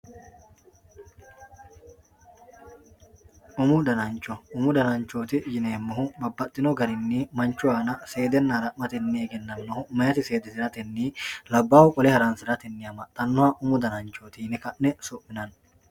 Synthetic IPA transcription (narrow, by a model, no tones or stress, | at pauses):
ʔʊmʊd̪ɐnɐnt͡ʃːɔʊmʊd̪ɐnɐnt͡ʃoːt̪ɪjɪneːmːɔhʊbɐbːɐt̪ʼːɪnɔɡɐɾɪnːiːmɐnt͡ʃːʊaːnɐse̞ːd̪ɛnːaːɾɐmɐt̪ɛnːɪeɡɛnːɐnːɔhʊmɐjɐt̪ɪse̞ːd̪ɛsɪɾɐt̪ɛnːiːlɐbːaːhʊkʼɔlɛhɐɾaːnsɪɾɐt̪ɛnːɪɐmɐt̪ʼːɐnːɔhɐʔʊmʊd̪ɐnɐnt͡ʃoːt̪ɪjnɛkɐʔːɛsʊʔmːɪnɐn